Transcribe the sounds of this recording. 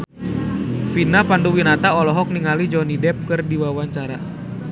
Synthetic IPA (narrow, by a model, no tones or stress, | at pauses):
finapanduwinat̪aɔlɔɦɔk̚niŋalid͡ʒɔnidɛp̚kɨrdiwawaɲt͡ʃaɾa